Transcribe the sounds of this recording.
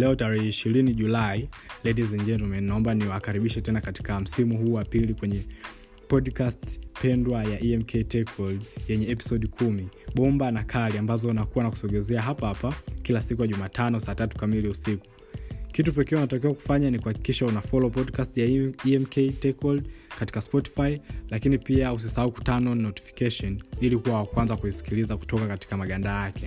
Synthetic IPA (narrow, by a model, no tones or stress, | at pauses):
lɛɔtaɾɛhɛiʃiɾiniʄulailɛdizɛnd͡ʒɛntɔmɛnnaɔmbaniwakaɾiɓiʃɛtɛnakati̥kam̩simuhuːwapilikwɛɲɛ | pɔdkastpɛndwajaʔiɛmkʰɛitɛkʰɔldjɛɲɛɛpi̥sɔɗikʰumiɓɔmbanakʰaliambazɔnakuwanaku̥sɔɡɛzɛaɦapahapakilasikujaʄumaːtʰanɔsaːtatu̥kamiliusiku̥ | kitupɛkɛunatakiaku̥faɲanikuhaki̥kiʃaunafɔlɔpɔdkastijaiɛmkɛitɛkɔldkati̥kaspɔti̥failakinipiaus̬isaauku̥tanɔnɔti̥fi̥kɛʃɔnilikuwawakwanzakuisi̥kilizaku̥tɔkakati̥kamaɠandajakʰɛ